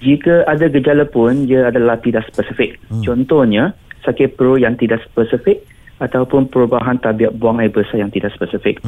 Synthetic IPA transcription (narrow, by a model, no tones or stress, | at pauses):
d͡ʒikəʔadaɡəd͡ʒalapʊndiəadalaht̪idaʔspəsifɪk̚t͡ʃɔnt̪ɔhɲasakɪpəɾojaŋt̪idaʔspəsifɪk̚ | at̪awpʊnpəɾubaɦant̪abiaʔ̚buaŋajbəsajaŋt̪idaʔspəsifɪk̚